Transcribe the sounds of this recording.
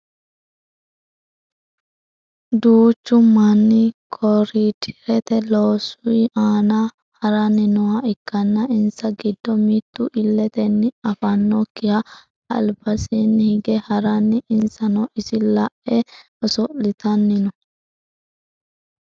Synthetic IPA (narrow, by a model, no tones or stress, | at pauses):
d̪uːt͡ʃːʊmɐnːɪkʰɔɾit̪ʰɪ̥ɾɛt̪ɛloːsʊjaːnɐ | hɐɾɐnɪnɔwɐɪkːɐnːɐɪnsɐɡɪd̪ːɔmit̪ːʊʔɪlːɛt̪ɛnːɪɐfɐnːɔkːɪhɐ | ɐ̰lbɐsinːhɪɡɛhɐɾɐnːɪɪnsɐnɔʔɪsɪlɐʔʔɛ | ɔsɔlɪt̪ɐnːɪnɔ